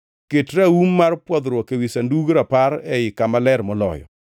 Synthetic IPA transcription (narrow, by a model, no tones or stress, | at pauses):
ketɾaumːarpwɔd̪ɾwɔkewisanduɡɾapaɾɛɪkamalɛɾmɔlɔ̰jɔ̰